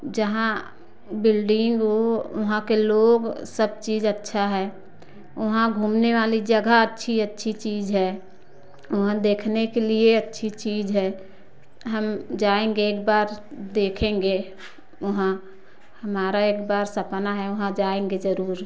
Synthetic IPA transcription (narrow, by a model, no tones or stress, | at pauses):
d͡ʒəɦã | bɪlɖɪ̃ŋɡoʊɦãkeloːɡsəb̚t͡ʃiːd͡ʒətːʃʰaɦɛː | ʊɦãɡʱuːmneʋaːlid͡ʒəɡaətːʃʰiətːʃʰit͡ʃiːd͡ʒɦɛ | ʊɦãd̪eːkʰnekelieətːʃʰit͡ʃiːd͡ʒɦɛː | ɦəmd͡ʒaːẽŋɡeːkbaːɾ | d̪eːkʰẽːŋɡe | ʊɦã | həmaːɾaeːkbaːɾsəpnaɦɛʊɦãd͡ʒaːẽːŋɡed͡ʒəɾuːɾ